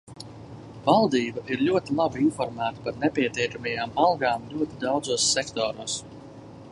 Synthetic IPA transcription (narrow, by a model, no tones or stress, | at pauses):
valˠd̪iːbaʔiɾlʲuɔt̪ilˠabiinfɔɾmæːt̪ḁpaɾnɛpʲiɛt̪iɛkamʲɛjaːmalˠɡaːmlʲuɔt̪id̪awd̪zuɔsːɛkt̪ɔːɾuːs